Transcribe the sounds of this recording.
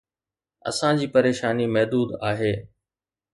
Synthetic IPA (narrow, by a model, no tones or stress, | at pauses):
ɐ̰sãd͡ʑiːpɐɾeːʃaːnimɐɦd̪uːd̪aːɦeː